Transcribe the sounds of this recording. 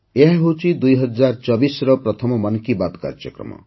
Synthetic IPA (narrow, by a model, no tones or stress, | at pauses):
eɦaɦot͡ʃʰid̪ujɦʌd͡ʒaɾt͡ʃɔbisɾɔpɾɔt̪ʰɔmɔmʌnkibad̪ka̰ɾd͡ʒjʌkɾɔ̰mɔ̰